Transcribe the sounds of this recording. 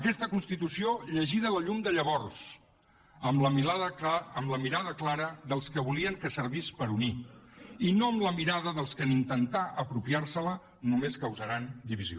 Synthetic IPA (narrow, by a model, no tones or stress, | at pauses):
əkɛst̪əkunst̪it̪usioʎəʒiðələʎumd̪əʎəβɔrs | əmləðəmləmiɾaðəklaɾəðəlˠskəβuliəŋkəsəɾβispəɾuni | inoəmləmiɾaðəðəlˠskənint̪ənt̪aʔəpɾupiarsələ | numeskəwzəɾand̪iβizio̰